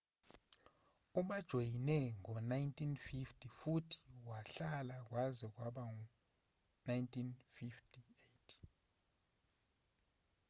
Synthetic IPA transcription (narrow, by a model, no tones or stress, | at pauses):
uɓad̥ʒ̥ʱojinɛŋɔnajntʰʼinfiftʰʼifutʰi̥waɬalak̬ʼwazɛk̬waɓaŋ | najntʰʼinfiftʰʼiejtʰi̥